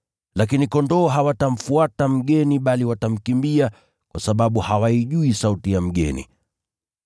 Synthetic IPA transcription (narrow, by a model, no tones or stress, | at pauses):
lak̬inikɔndɔːɦawatam̩fuatam̩ɠɛniɓaliwatam̩kimbia | kwasaɓaɓuhawaiʄuisautijam̩ɠɛ̰nḭ